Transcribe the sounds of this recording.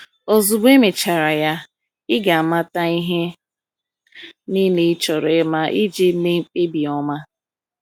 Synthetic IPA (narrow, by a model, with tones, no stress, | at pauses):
o˨zu˨be˦me˨t͡ʃa˨ɾa˨ja˦ | ɪ˦ɡa˨a˨ma˦ta˦i˦ɦe˦ | niː˦ne˦t͡ʃɔ˨ɾe˦ma˦ʔɪ˦d͡ʒe˦me˦ŋ͡m̩˨k͡pe˦bi˨ɔ˦ma˦